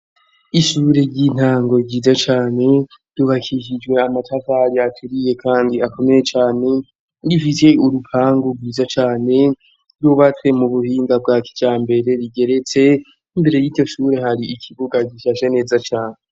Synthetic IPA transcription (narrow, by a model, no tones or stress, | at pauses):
iʃuɾe̞ɾɟin̥haːŋɡo̞ɟiːzat͡ʃaːne̞ | d̥uβakʰikid͡ʒɡwe̞amatʰavaːɾiatʰuɾije̞kʰaːndiakʰo̞me̞jet͡ʃaːne̞ | difise̞uɾupʰaːŋɡuɡɡwiːzat͡ʃaːne̞ | ɾuβat͡swe̞muβuhiːŋɡab̚ɡakʰi̥d͡ʒaːmbe̞ɾe̞ɾiɡe̞ɾe̞t͡se̞ | imbe̞ɾe̞jiːdjo̞ʃuːɾe̞haɾiikʰiβuɡaɡiʃaʃene̞ːzat͡ʃaːne